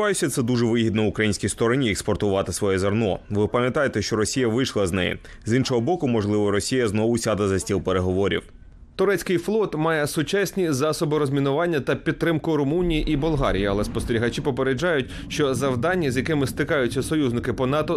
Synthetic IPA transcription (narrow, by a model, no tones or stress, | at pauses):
ɑjʊsʲɐt̪sɛd̪uʒɛʋɪɦʲid̪nɔʊkɾɐjinʲsʲkʲist̪ɔɾɔnʲiɛkspɔrt̪ʊʋɑt̪ɪsʋɔjɛzɐrnɔʋɪpɐmʲjɐt̪ɑjet̪ɛʃt͡ʃɔɾɔsʲijɐʋɪʃlˠɐznɛ̰jḭ | zinʃɔɦɔbɔkʊmɔʒlˠɪʋɔɾɔsʲijɐznɔʋʊsʲɑd̪ɐzɐsʲtʲilˠpeɾeɦɔʋɔɾʲḭw | t̪ʊɾɛt͡sʲkɪjflˠɔt̪mɑjɛsʊt͡ʃɑsʲnʲizɑsɔbɪɾɔzʲmʲinʊʋɑnʲːɐt̪ɐpʲid̪̚t̪ːɾɪmkʊɾʊmunʲijiʔibʊlˠɦɑɾʲijiɐlˠɛspɔst̪eɾʲiɦɐt͡ʃipɔpeɾed͡ʒɑjʊtʲ | ʃt͡ʃɔzɐwd̪ɑnʲːizʲjɐkɪmɪst̪ɪkɑjʊt͡sʲːɐsɔjuznɪkɪpɔnɑt̪ɔ